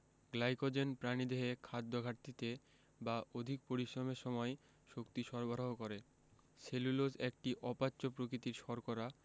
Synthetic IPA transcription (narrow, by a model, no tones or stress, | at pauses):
ɡlajkod͡ʑenpɾanid̪eɦekʰad̪ːoɡʱaɾt̪it̪e | baʔod̪ʱik̚poɾiʃɾomeɾʃɔmɔe | ʃokt̪iʃɔɾbʱaɾoɦokoɾe | selulod͡ʑek̚ʈiʔɔpat͡ɕːɕopɾokɾit̪iɾʃɔɾkoɾa